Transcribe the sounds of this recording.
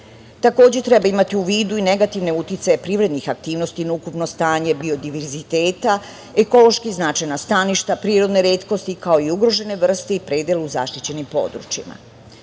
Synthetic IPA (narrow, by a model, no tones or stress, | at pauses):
t̪ako̞ːd͡ʑet̪ɾe̞baimat̪iuʋiːd̪uine̞ɡat̪iʋne̞ut̪jit̪sajepɾiʋɾe̞d̪nixak̚t̪iːʋno̞st̪inaukupno̞st̪aːɲe̞bio̞d̪iʋeɾzit̪eːt̪a | eko̞lˠo̞ʃkiznat͡ʃajnast̪aniʃt̪apɾiːɾo̞d̪ne̞ɾeːt̪ko̞st̪ikao̞iuɡɾo̞ʒe̞ne̞ʋr̩st̪eipɾeːd̪jeleuza̰ʃt̪it͡ɕe̞nimpo̰d̪ɾṵt͡ʃima̰